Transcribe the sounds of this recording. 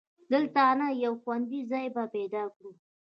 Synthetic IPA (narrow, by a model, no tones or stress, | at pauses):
d̪əlt̪anajawxwand̪izɑjbaped̪ɑkɽu